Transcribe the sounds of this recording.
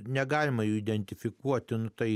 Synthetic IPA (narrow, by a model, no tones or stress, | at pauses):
nʲɛɡɑːlʲɪmɐjuːɪd̪ʲɛnʲt̪ʲɪfʲɪkuɔt̪ʲɪnʊt̪ɐɪ